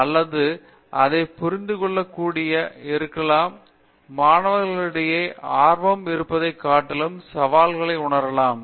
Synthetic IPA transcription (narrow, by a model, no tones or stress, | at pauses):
ɐlːɐðɯ | ʔɐðɐɪpʊɾɪnd̪ɯkɔɭːɐkːuːɽɪjɐɪɾɯkːɐlaːmː | aːnɐʋɐɾɣɐɭɪɽɐjeːʔaːɾʋɐmɪɾɯpːɐðɐɪkːaːʈːɪlɯmsɐʋaːlɣɐɭɐɪʊɳɐɾɐlaːm